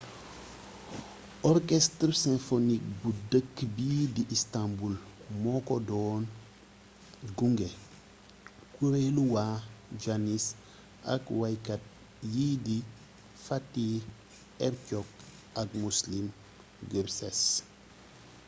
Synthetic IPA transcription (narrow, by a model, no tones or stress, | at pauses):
ɔɾkɛstɾsɛ̃nfonik̚budəkːbidiʔistãmbulmɔkɔdɔːn | ɡuŋɡɛ | kuɾeluwad͡ʒanis | a̰kwajkat̚ | jidi | fatːi | ɛɾcɔk̚ | akmuslim | ɡeɾsɛs